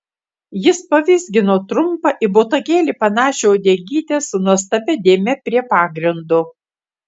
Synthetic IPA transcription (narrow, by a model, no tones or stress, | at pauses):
jɪspɐʋʲɪzʲɡʲɪnoːt̪ɾʊmpɐʔɪboːt̪ɐɡʲeːlʲiːpɐnɑːʃʲeoːd̪ʲeːɡʲiːt̪ʲeːsʊnuɔst̪ɐbʲɛd̪ʲeːmʲɛpʲɾʲiɛpɑːɡɾʲɪnd̪ʊ